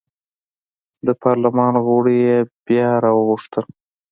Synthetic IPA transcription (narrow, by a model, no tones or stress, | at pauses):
d̪əpʰɑɾlamɑnɣoɽijeb̥jɑɾɑwəɣʊʂt̪əl